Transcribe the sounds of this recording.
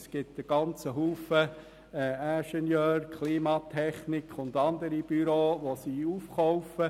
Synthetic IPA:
sɡ̥ɪt̪əɡ̥ɑnt͡səɦuːfə | æ̃ʃɛnjœːɾkχliːmɑt̪ʰɛχnɪkʰʊnd̪ɑnd̪əɾib̥yɾoːʋosiːufχɔʊfə

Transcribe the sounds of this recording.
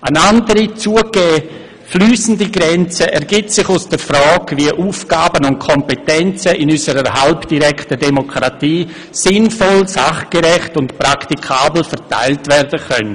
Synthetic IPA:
ʔənandəɾit͡suəɡ̥ɛː | flyːsn̩diɡɾɛnt͡səʔɛɾɡɪtsɪχʊsd̥əɾfɾɔːkviəʔuːfɡ̥aːbənʊnt̚kʰɔmpetɛnt͡səʔɪnysəɾəhalpd̥iɾɛktədemokʰɾatiː | sɪnfɔlsaχɡ̥eɾɛχtʊntpɾaktikʰaːbl̩fɛɾta̰ɪltvɛrdəkœn

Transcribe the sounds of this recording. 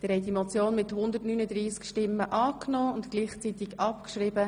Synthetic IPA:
d̥ɪɾhɛɪdimɔt͡sjoːnmɪthʊnd̪ərtnyːnəd̪ɾiːskʃtɪmːəʔɑːknɔːʊntkliːχt͡sit̪ɪkɑpkʃrɪbə

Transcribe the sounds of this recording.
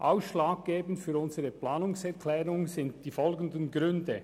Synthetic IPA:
ʔaʊsʃlaːɡ̚ɡ̥eːbn̩tfyːɾʊnzəʁəpʰlaːnʊŋsɛʁkʰlɛːʁʊŋzɪntd̥iːfɔlɡən̩dənɡɾʏndə

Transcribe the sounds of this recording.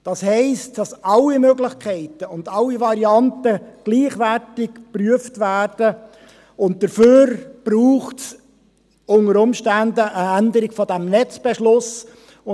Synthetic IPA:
d̥ɑshɛɪstd̥ɑsɑlːimøɡlɪχkʰχɛɪtəʊndɑlːivɑɾiɑntəɡ̥liːχʋærtɪkpryəftvæːrd̥ə | ʊnt̚d̥əɾføːɾb̥ruːχts | ʊnəɾʊmʃtændəʔəænd̪əɾɪɡ̥fɔdæmnɛt͡sb̥eʃlʊs | ʊ

